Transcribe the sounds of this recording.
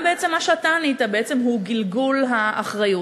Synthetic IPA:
beet͡se̞mːaʃat̪anit̪abeet͡se̞mhuɡilɡulɦaʔaχʁaju

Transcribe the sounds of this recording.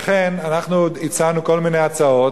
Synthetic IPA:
χenanaχnuit͡sanuko̞lmine̞jat͡sao̞t

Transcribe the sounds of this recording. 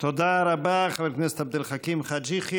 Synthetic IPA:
t̪od̪aɾabaχaveknɛset̪ab̚d̪ilχakimχad͡ʒiχi

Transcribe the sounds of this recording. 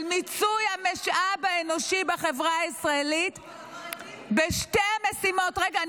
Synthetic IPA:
lmit͡sujameʃʔabaenoʃibaχevʁaːisʁaelit | beʃtemesimo̞tʁeɡa

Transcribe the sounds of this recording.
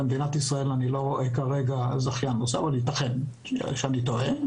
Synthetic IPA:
emed̪inat̪isʁae̞lanilo̞ʁoʔekaʁe̞ɡazaχjanːoseavalit̪aχen | ʃeanit̪oe

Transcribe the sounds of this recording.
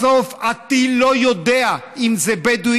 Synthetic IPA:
ofat̪ilojod̪ea | imzebed̪u

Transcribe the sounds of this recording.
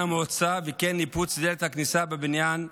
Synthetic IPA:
amot͡savekenːiput͡sd̪elet̪haknisabebinjan

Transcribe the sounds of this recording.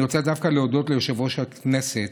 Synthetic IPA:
jot͡sad̪afkaleod̪o̞t̪lejoʃavoʃakneset

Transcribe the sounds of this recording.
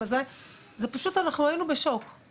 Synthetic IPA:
azaj | zepaʃutanaχnuainube̞ʃo̞k

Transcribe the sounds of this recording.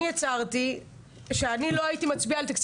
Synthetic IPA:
jat͡saʁt̪i | ʃeanilo̞ajit̪imat͡sbialt̪akt͡s

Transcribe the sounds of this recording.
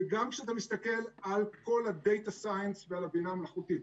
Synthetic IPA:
ɡamkʃeat̪amist̪ake̞lalko̞lad̪e̞jt̪asajensvealabinamelaχut̪it

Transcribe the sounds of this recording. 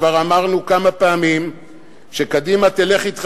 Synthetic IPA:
vaʁamaʁnukamapeamim | ʃekad̪imat̪ele̞χit̪χ

